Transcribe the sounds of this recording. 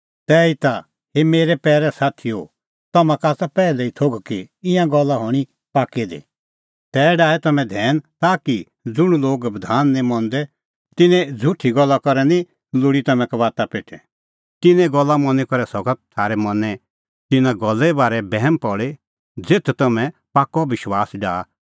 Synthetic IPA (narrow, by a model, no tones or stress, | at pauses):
t̪ɛːit̪a | ɦemeːɾɛpɛːɾɛsaːt̪ʰio̰ | t̪ɐmãkaːsapɛːlɛit̪ʰoɡkiɪ̃jãɡɔlːaɦɔɽ̃i | paːkid̪ḭ | t̪ɛːɖaːɛt̪ɐmɛ̃d̪ʱɛːnt̪aːki | d͡zʊɽ̃uloːɡbd̪ʱaːnːɛ̃mɔ̃nd̪ɛ | t̪ɪnɛ̃d͡zʱʊʈʰːiɡɔlːakɔɾɛnĩ | lʊɽit̪ɐmɛ̃kɐʋaːt̪apeːʈʰɛ | t̪ɪnɛ̃ɡɔlːamɔnɛkɔɾɛsɔɡət̪̚t̪ʰaːɾɛmɐnɛ | t̪ɪnãɡɔlːɛbaːɾɛbɛɦmpɔɭe | d͡zeːt̪ʰt̪ɐmɛ̃paːkɔbɪʃwaːsɖaː